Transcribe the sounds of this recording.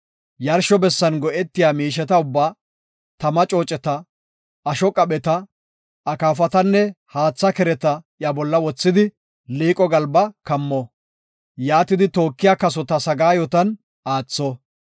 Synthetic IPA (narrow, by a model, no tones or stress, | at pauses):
jɐɾʃɔbɛsːɐnɡɔʔɛt̪ːɪjaːmiːʃɛt̪ɐʊbːaː | t̪ɐmɐt͡ʃʼo̞ːt͡ʃʼɛt̪ɐ | ɐʃɔkʼɐɓɛt̪ɐ | ɐkaːfɐt̪ɐnːɛhaːt͡sːɐkɛɾɛt̪ɐʔjabɔlːɐwɔt͡sːɪd̪ɪ | liːkʼɔɡɐlbɐkɐmːɔ | jaːt̪ɪd̪ɪt̪o̞ːkːɪjaːkɐsɔt̪ɐsɐɡaːjɔt̪ɐn | aːt͡sːɔ